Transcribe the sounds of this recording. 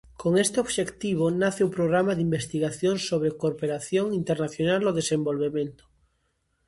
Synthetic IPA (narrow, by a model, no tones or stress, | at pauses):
koŋest̪eoβʃekt̪iβ̞onaθeupɾoɣɾamaðimbest̪iɣaθjonsoβ̞ɾekopeɾaθjoŋint̪eɾnaθjonaloðesẽmbolβemẽnt̪o̥